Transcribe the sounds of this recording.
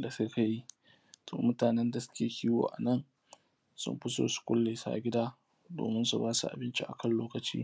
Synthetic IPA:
da˨seː˦ka˦ji˦ | tʰoː˨mʊ˦taː˨nɛ˦nda˨sʊ̥˦kʲeː˨kʲiː˦wo̰ː˨ʔa̰˨nɐ˦n | sʊ̰˦mɸɪ˦so̰ː˨su̥˦kʷʊ̰˦lːe˨sa̰ː˦ɡʲɪ˦daː˦ | do̰ː˨mɪ˦nsu˨baː˦sṵ˨ʔa̰˨bɪ˦nt͡ʃi˦ʔa̰˨kɐ˦˨nloː˦kɐ˨t͡ʃḭː˦

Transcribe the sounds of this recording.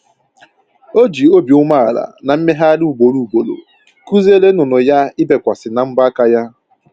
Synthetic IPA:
o˦d͡ʒi˨o˦bjʊ˦ma˦a˨la̰˨na˨m̩˦me˦ɦa˦lu˦˨ɡ͡bo˨ɾu˦u˨ɡ͡bo˨lo̰˨ | ku˦ze˦le˦nʊ˨nʊ˨ja˦ɪ˦be˨kʷa˨sɪ˨na˨m̩˦ba˦a˦ka˦ja˦

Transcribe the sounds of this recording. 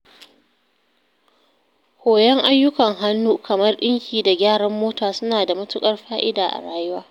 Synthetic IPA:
hoː˨jɛ˦ŋʔa˦jːʊ˦kɐ˨ŋɦa˦nːuː˦kʰɐ˨mɐ˦rɗɪ˦ŋkʲiː˨da˨ɡʲaː˦˨ɽɐ˦mːoː˦taː˨sʊ˦naː˨da˨mɐ˦tʊ˦kʼɐ˦rɸaː˦ʔɪ˦daː˨ʔa̰˨ɽaː˦jʊ˦waː˦

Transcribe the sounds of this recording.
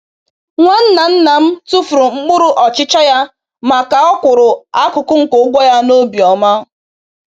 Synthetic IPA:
ŋʷa˦n̩˦na˨n̩˦na˨m̩˦tu˦fɾʊ˨ŋ͡m̩˦ɡ͡bʊ˦ɾʊ˦ʔɔ˨t͡ʃɪ˦t͡ʃa˦ja˦ | ma˨ka˨ɔ˦kʷʊ˨ɾʊ˨a˦kʊ˨kʊ˦ŋ̩˨ko˦ɡʷɔ˦ja˦no˦bi˨ɔ˨ma˦

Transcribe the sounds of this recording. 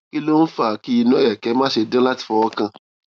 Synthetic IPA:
ki˦lo˦n̩˦fa˦˨ki˦i˧nũ˦ɛ˨kɛ˨˦mãː˦ʃe˧dã˦la˦ti̥˨fɔ˧ɔ˦kã˧˨

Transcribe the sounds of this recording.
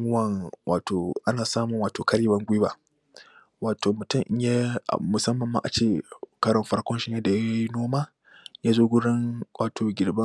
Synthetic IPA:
ŋʊ˦wɐ˦˨ŋwʔa̰ː˨tʰoː˨ʔa˦naː˨saː˦mʊ˨ŋwaː˨toː˨kɐ˦ɽiː˦bɐ˦ŋɡʷi˦ba̰˦ | waː˨tʰoː˨mʊ˨tʊ˦˨mʔɪ˦mja̰˦˨mʊ˨sɐ˦mːɐ˨mːa̰˦ʔa˨t͡ʃeː˦˨kɐ˦ɽɔ˨mɸɐ˦ɽkʷɔ˦nʃɪ˦ɲja˦da˨ja˦ji˦noː˦maː˦ | jaː˦zoː˦ɡʷʊ˦ɽɪ˦ŋwaː˨tʰoː˨ɡʲɪ˨ɽbɐ˦

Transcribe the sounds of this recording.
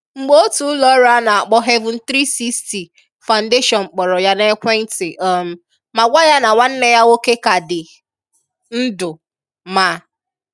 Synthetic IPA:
ŋ͡m̩˨ɡ͡bo˦o˦tu˨ʊ˦lɔ˨˦ɾa˦na˨a˨k͡pɔ˦ɦe˦vʊ̃˨n̩˨˦tɾi˦si˦sti˨ | fa˨ʊ˨n̩˨de˦ʃɔ˨nŋ͡m̩˨k͡pɔ˨ɾɔ˨ja˦ne˦kʷe˦n̩˦tɪ˨ʔm̩˨ | ma˨ɡʷa˦ja˦na˨wa˦n̩˦ne˦ja˦o˦ke˦ka˨dɪ˨ | n̩˦dʊ˨ | ma˨˦

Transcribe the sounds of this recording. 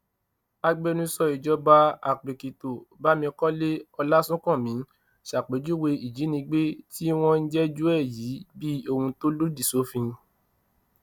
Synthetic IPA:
a˧ɡ͡be˧nũ˧sɔ˧i˨d͡ʒɔ˦ba˧a˨k͡pe˨ki˨to˨ba˦mĩ˧kɔ˦le˦ɔ˧la˦sũ˦kɔ̃˦˨mĩ˨˦ | ʃa˨k͡pe˨˦d͡ʒu˦we˧i˨d͡ʒi˨˦nĩ˧ɡ͡be˦ti˦w̃ɔ̃˦n̩˦d͡ʒɛ˦d͡ʒu˦ɛ˦˨ji˨˦bi˦o˧hũ˧to˦lu˦di˦˨so˨˦fĩ˧

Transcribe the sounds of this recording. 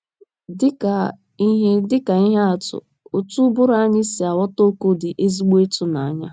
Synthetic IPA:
dɪ˦ka˨ | i˦ɦe˦dɪ˦ka˨i˦ɦe˦a˨tʊ̰˨ | o˨tu˦bʊ˦ɾa˦a˦ɲɪ˦si˨a˨wɔ˦to˦ko˦dɪ˨ʔe˦zi˦ɡ͡be˦tʊ˦na˨a˦ɲa˦

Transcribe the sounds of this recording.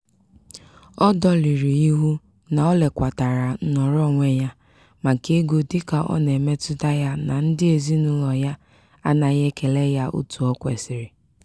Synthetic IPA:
ɔ˦dɔ˦li˨ɾi˨i˦ɦu˦ | na˨ɔ˦le˨kʷa˨ta˨ɾa˨˦nɔ˨ɾɔ˦˨ŋʷe˦ja˦ | ma˨ke˦ɡo˨dɪ˦ka˨ʔɔ̰˦ne˨me˦tʊ˦da˦ja˦na˨n̩˦dɪ˦e˨zi˦nʊ˦lɔ˨ja˦ | a˦na˨ɣe˦ke˨le˦ja˦ʔṵ˦tu˨ɔ˦kʷe˨sɪ˨ɾɪ˨

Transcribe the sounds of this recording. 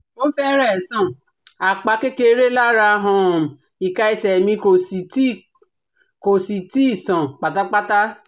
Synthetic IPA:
o˦fɛ˦ɾɛ˦˨sã˨ | a˨k͡pa˧ke˦ke˧˦ɾe˦la˦ɾa˧˦ɦɔ̃˧˦˨ | i˨ka˧i˨˧sɛ˨mĩ˧ko˨si˨ti˦ | ko˨si˨ti˦i˦˨sã˨k͡pa˨ta˦k͡pa˦ta˦

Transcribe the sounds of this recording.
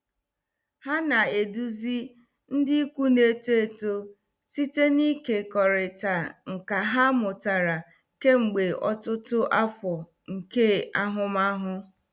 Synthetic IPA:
ha˦na˨e˨du˦zi˦ | n̩˦dɪ˦kʷu˦ne˦te˦e˦˨to˦ | si˦te˦ni˦ke˨kɔ˨ɾɪ˨ta˨ŋ̩˨ka˨ɦa˦mʊ˨ta˨ɾa˨ | ke˦ŋ͡m̩˨ɡ͡be˨ɔ˦tʊ˦tʊ˦ʔa˦fɔ˨ | ŋ̩˨ke˦a˦ɦʊ˦ma˦ɦʊ˦

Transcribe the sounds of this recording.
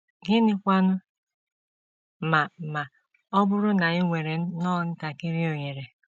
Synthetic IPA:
ɡɪ˦nɪ˦kʷa˦nʊ˦ | ma˨ma˨ | ɔ˦bʊ˦ɾʊ˦na˨ɪ˦ŋʷe˨ɾe˨n̩˦nɔː˦˨n̩˦ta˨kɪ˦ɾi˦o˨ɲe˨ɾe˨

